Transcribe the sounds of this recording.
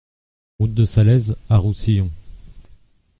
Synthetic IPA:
ʁut̪̚d̪əsalɛzaʁusijɔ̃

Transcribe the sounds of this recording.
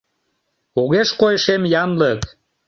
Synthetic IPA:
oɣeʃkojʃemjɑnlək

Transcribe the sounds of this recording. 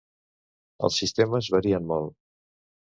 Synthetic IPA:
ə̰lˠsːist̪eməzβəɾiənmɔlˠ

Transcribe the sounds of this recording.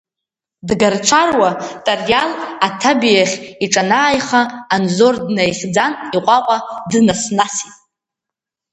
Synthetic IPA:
dɡart͡ʃʷʰarwatʼarjalatʰabijaχʲiʈ͡ʂʼanaːjχaːnzo̞rdnajχʲd͡zaniqʷʼaqʷʼadɨnasnasitʼ

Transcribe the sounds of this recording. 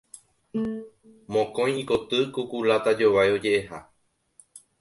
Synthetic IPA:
mõkõ̞j̃iko̞t̪ɨkukulat̪ad͡ʒo̞ʋajo̞d͡ʒe̞ʔeɦa

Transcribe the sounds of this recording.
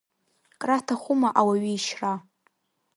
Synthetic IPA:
kʼratʰaχʷʊmaʔawaɥiːʃra

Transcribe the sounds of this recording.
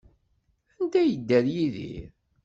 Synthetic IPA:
ænd̪æjəd̪ːæðjiðḭɾ

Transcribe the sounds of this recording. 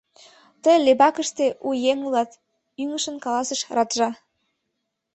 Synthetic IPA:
t̪əjlebɑkəʃt̪eʔujeŋulɑt̪ | yŋəʃə̆nkɑlˠɑsəʃrɑt̪ʒɑ

